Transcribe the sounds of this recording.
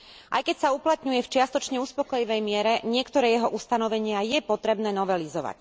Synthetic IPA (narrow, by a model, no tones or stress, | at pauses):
ʔa̰jkɛcsauplat̪ɲujɛft͡ʃɪast̪ɔt͡ʃɲɛuspɔkɔjiʋɛjmɪɛɾɛɲɪɛkt̪ɔɾɛːjɛɦɔʔust̪anɔʋɛɲɪajɛpɔt̪ɾɛbnɛːnɔʋɛlizɔʋa̰c